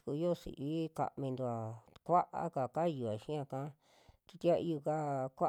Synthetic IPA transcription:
ku˧i˧˦o˦sḭ˨ʔβi˦ka̰˧˨mĩ˧nd̪u˧˨a˨kʷa˦ʔa̰˦ka˨ka˦˧ju˧a˨ʃĩ˦ã˧kã˦ | ki˧t̪i˦a˦˧ʔi˧u˧ka˦kʷa˦

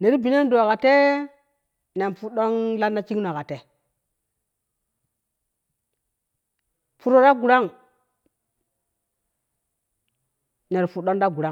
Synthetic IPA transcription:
ne˨ɾi˦bi˨ne˦n˦do˨a˨ka˨te˦ | ne˨npu˦ɗo˦ŋla˦nda˦t͡ʃi˦ŋno˨a˨ka˨te˨ | pu˦ɾo˦ɾa˦ɡu˨ɾa˦ŋ | ne˨ɾpu˨ɗo˦nda˦ɡu˨ɾa˦ŋ

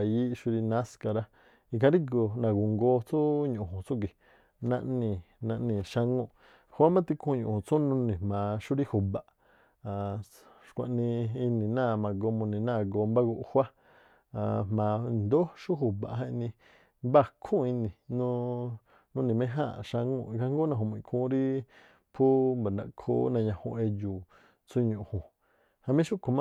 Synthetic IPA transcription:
a˨ji˦ʃu˧ɾi˧nã˦ska˧ɾa˧ | i˧kã˧˦ɾi˦ɡo˧nã˨ɡu˨ŋɡo˧t͡su˦ɲũ˨ũ˨t͡sũ˦k̬i˨ | nã˧ʔnĩ˧˨nã˧ʔnĩ˧˨ʃa˧ŋũ˦˧˨ | hwa˦mã˦t̪i˧kʰũ˧˦˧ɲũ˨hũ˨t͡sũ˦nũ˧nĩ˨hmã˨˧ʃu˦ɾi˦hu˨ba˨ʔ | ʃkʷã̰˧ʔnĩ˧i˧nĩ˨nã˦˨mã˧ɡo˧mũ˧nĩ˨nã˦˧˨ɡo˧mba˦ɡu˧ʔhwa˦ | a˧˨mmã˨˧nd̪o˦ʃu˦ɦu˨ba̰˨ɦã˧ĩ˧nĩ˧ | mba˦˧kʰũ˦˨˧i˧nĩ˨nũ˦˧ | nũ˦nĩ˨mẽ˦ɦã̰˦˨ʃã˧ŋṵ̃˧ka˧˦ŋɡo˦nã˧ɦũ˨m̃˧˨˧kʰũː˧˦ɾi˦ | pʰu˦mba˨nã̰˧kʰo̰˦nã˧ɲã˧hõ˧ʔe˧ju˨ | t͡sʰũ˦ɲũ˨hũ˨ | ha˧mĩ˦ʃu˦kʰõ˨˧mã˦

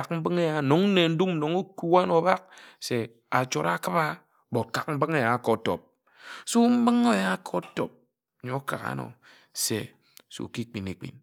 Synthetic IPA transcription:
a˨km̩˦bɨ˦ŋe˦ja˨no˨ŋn̩˦ne˨n̩˦du˦m˨no˨ŋu˦ku˦a˦no˨˦ba˦k̚se˨ | a̰˨t͡ʃo˨ɾa˦kɨ˦ba˦ | bo˨ka˨k̚m̩˦bɨ˦ŋe˦ja˨ko˨˦to̰˨p̚ | su˦m̩˦bɨ˦ŋo˦ja˦kʰo˦to˨p̚ | ɲo˨˦ka̰˨ka̰˨˦no̰˨ | sḛ˨ | so̰˨ki˦k͡pi˨ne˨k͡pḭ˨n

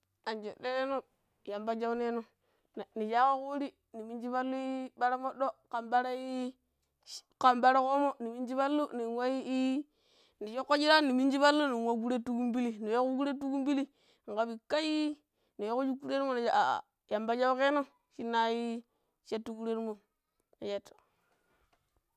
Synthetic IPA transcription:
a˨nd͡ʒe˨ɗe˦ɾe˦no˦ | ja˨mba˦d͡ʒa˦wne˦no˨ | n˨ni˨ʃa˦ko˦ku˦ɾi˦ | ni˨mi˦nd͡ʒi˦ba˦lu˦i˦ba˦ɾa˦mo˦ɗo˦ka˨mba˦ɾa˦i˦ | ka˨mba˦ɾa˦ko˦mo˦ni˨mi˦nd͡ʒi˦ba˦lːu˦ni˨ŋwa˦i˦i˦ | ni˨ʃo˦kːo˦d͡ʒi˦ɾa˦ni˨mi˦nd͡ʒi˦ba˦lːu˦ni˨a˦ɡu˦ɾe˦tu˦ku˦mbi˦li˦ni˨ja˦ku˦ɡu˦ɾe˦tu˦ku˦mbi˦li˦˨ | ŋ̩˨ka˦bi˨ka˦ji˦ | ni˨we˦ku˦d͡ʒu˦ku˦ɾe˦ɾmo˦na˨d͡ʒa˨ʔa̰˨ | ja˨mba˦d͡ʒa˦ke˦no˦ | ʃi˦nːa˦ji˦ | ʃe˦tːu˦ku˦ɾe˦ɾmo˨ | na˨ʃe˦tːo̥˨

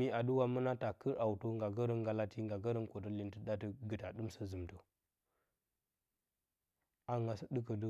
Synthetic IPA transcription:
i˦a˨du˦wa˦mə˦na˦ta˨kə˦ɾʔa˨wto˦ŋɡa˨ɡə˦ɾə˦ŋɡa˦la˦ti˦ŋɡa˨ɡə˦ɾə˦nko˨tə˦li˨ntə˦da˦tə˦ɡə˨ta˨ɗu˦msə˦zə˨mtə˨ | a˦ŋɡa˨sə˦ɗə˦kə˨də˦

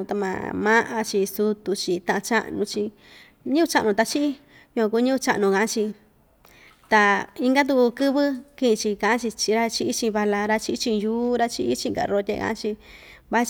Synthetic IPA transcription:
t̪a˧mã̰˨˧mã˦ʔa̰˧t͡ʃi˧su˧t̪u˧t͡ʃi˧t̪ã˧ʔã˧t͡ʃa̰˦ʔnũ˧t͡ʃi˧ | ɲĩ˦u˧t͡ʃa̰˧ʔnũ˧t̪a˧t͡ʃi˦i˦ | ɲũ˧kʷã˧ku˧˦ɲĩ˦u˦˧t͡ʃa̰˧ʔnũ˧kã˨ʔã˦t͡ʃi˧ | t̪a˧i˧ŋɡa˦t̪̬u˧ku˧kɨ˦βɨ˦kĩ˦ʔĩ˧t͡ʃi˧kã˨ã˦t͡ʃi˧t͡ʃi˧ɾa˦t͡ʃi˧i˦t͡ʃĩ˧βa˧la˧ɾa˧t͡ʃi˧i˦t͡ʃĩ˧juː˦ɾa˦t͡ʃi˧i˦t͡ʃĩ˧ŋɡa̰˨ɾo˧t̪ʲḛ˧kã̰˧˦t͡ʃi˧ | βa˦

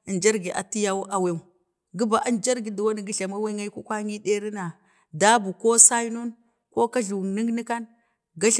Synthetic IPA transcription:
i˨nd͡ʒa˦ɾɡi˨ʔa̰˨ti˦ja˦wu˦ʔa˨we˦˨ | ɡi˦ba˨ʔa˦nd͡ʒa˦ɾɡi˨di˨wa˦ni˨ɡi˦ɬa˨ma˦wa˦ŋa˦i˦ku˦kʷa˦ŋi˦de˦ɾi˦na˨ | da˦bu˨ko˦sa˦no˦n | ko˦ka˦ɮu˨ni˦ɡni˦ka˦n | ɡa˦ɬ

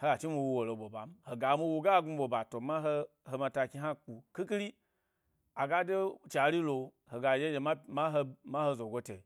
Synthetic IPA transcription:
ho˦ɡa˨t͡ʃi˦mu˧wo˧wo˨lo˧bo˨ba˨m̩˦ho˨ɡa˨˦mu˧wo˧ɡa˦˨ɡu˦ɓo˨ba˨to˨ma˦ɦo˦ | ho˧ma˧ta˧kʲi˧ɦa˦k͡pu˨ki˦ki˦ɾi˦ | a˨ɡa˦de˦˨t͡ʃi˨a˨˦ɾi˦lo˧ | ho˨ɡa˨je˦je˨˧ma˦ma˦ɦo˧ma˦ho˧zo˨ɡo˦tḛ˨

